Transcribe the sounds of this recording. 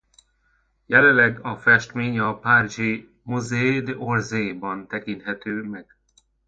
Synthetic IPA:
jɛlɛlːɛɡɒfɛʃt̪meːɲɒpaːriʒi | muzeːd̪orzeːbɒnt̪ɛkint̪hɛt̪øːmɛɡ̥

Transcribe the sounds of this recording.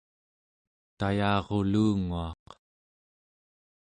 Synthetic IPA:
t̪ajɑːʁo̞luːŋuɑq

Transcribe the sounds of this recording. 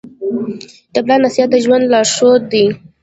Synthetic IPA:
d̪̥ablɑnasijat̪̚d̪əʒwand̪lɑʂod̪i

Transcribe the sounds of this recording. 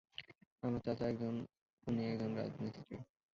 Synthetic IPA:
amɾat̪at͡ɕʰaɛkd͡ʑon | uniɛkd͡ʑonɾa̰d͡ʑnit̪i̥tḭ

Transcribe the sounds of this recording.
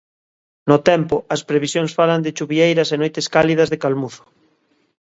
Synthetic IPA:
not̪ɛmpoɐspɾeβisjõnsfaland̪et͡ʃuβiejɾɐsenojt̪eskalið̞ɐzðekalmuθo̥

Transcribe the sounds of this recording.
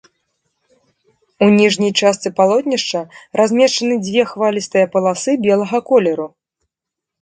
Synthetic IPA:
unʲiʐnʲɐjt͡ʂast̪sɨpalˠɔt̪ʲnʲiʂt͡ʂɐɾʔazʲmʲɛʂt͡ʂɐnɨd͡zʲvʲɛxvalʲist̪ɨjɐpɐlˠasɨbʲɛlˠɐɣɐkɔlʲɛɾu

